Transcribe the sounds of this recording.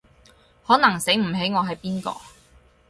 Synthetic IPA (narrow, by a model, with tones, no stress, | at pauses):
hɔː˨˥nɐ˨˩ŋse˨˥jm̩˨˩ɦe˨˥jŋɔː˨˧ɦɐ˨jpiː˥nkɔ̰ː˧